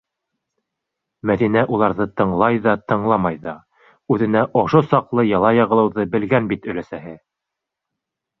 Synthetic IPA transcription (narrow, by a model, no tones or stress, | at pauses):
mæðinæʔulˠɑɾðɤt̪ɤ̆ɴlˠɑjðɑt̪ɤ̆ɴlˠɑmɑjðɑ | ʉðɘ̆næʔoʃosɑqlˠɤjɑlˠɑjɑʁɤ̆lˠɤ̆wðɤbɘ̆lɡænbit̪ɵ̆læsæɦɘ